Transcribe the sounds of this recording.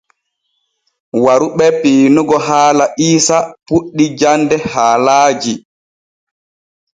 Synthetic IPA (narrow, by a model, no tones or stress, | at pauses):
waɾuɓɛpiːnuɡɔɦaːlaʔiːsapuɗːid͡ʒandɛhaːlaːd͡ʒi